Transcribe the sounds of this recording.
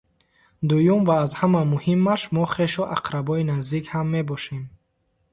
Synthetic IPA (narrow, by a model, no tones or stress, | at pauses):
d̪ujumvaːzhamamuhimːaʃmɔχe̞ʃuʔaqɾabɔinazd̪ikhamːe̞bɔʃem